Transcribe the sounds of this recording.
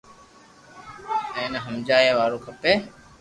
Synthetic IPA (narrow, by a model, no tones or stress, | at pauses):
ẽːneɦəmd͡ʒaːjeːʋaːɾoːkʰəpeː